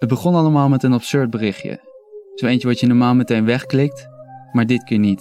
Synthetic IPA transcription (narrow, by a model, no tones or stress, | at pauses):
ətd̚bəχɔnɑləmaːlˠmɛtənɑpsøɹd̚bərɪχjə̰ | sowejnt͡ʃəʋɑtjənɔɹmaːlˠmɛtejnʋɛχklɪk̚tmaːɹdɪtkɪːɹnit